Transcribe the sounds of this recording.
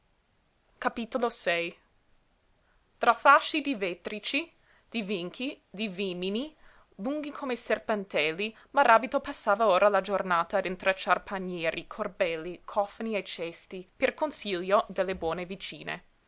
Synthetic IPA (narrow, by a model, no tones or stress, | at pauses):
kapiːt̪olosɛj | t̪ɾafaʃːid̪ivɛt̪ɾit͡ʃi | d̪̥iviŋkʰi | d̪iviːmini | luŋɡikʰomeserpant̪ɛlːi | maɾaːbit̪opasːaːvaoːɾʔalad͡ʒornaːt̪aːd̪int̪ɾat͡ʃːarpʰanjɛːɾʔikʰorbɛlːikʰɔfniet͡ʃɛst̪iperkonsiljod̪elːebwɔːnevit͡ʃiːnḛ